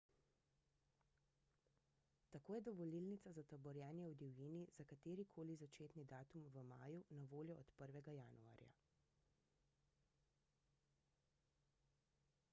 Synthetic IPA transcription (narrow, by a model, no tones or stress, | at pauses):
t̪akoːjɛd̪ɔʋɔlilnit̪sazat̪ɔbɔɾjɛːnjɛwd̪ɛwjinizakat̪eːɾikʰoːlizat͡ʃeːt̪nid̪aːt̪umʋəma̰ːjunaʋoːljɔʔɔt̪pəɾʋɛɡajanua̰ːɾja̰